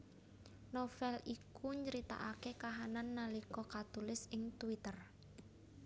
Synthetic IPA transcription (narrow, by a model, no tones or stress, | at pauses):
nofɛlikuɲd͡ʒəɾit̪a̰ʔakekaɦananːalikɔkat̪ulɪsɪŋt̪uwit̪ər